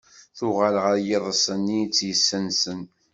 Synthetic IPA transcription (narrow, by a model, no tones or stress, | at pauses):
θʊʁaləʁəɾjeðˤəsˤənːijt͡sːjəsːənsən